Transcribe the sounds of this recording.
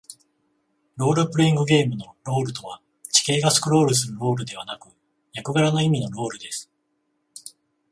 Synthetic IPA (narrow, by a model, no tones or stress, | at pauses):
ɾo̞ːɾɯ̟pɯ̟ɾeĩŋɡɯ̟ɡe̞ːmɯ̟no̞ɾo̞ːɾɯ̟t̪o̞βa | t͡ɕi̥ke̞ːɡasɨ̥kɯ̟ɾo̞ːɾɯ̟s̬ɨɾɯ̟ɾo̞ːɾɯ̟d̪e̞β̞anakɯ̟ | jakɯ̟ɡaɾano̞imʲino̞ɾo̞ːɾɯ̟d̪e̞sɨ̥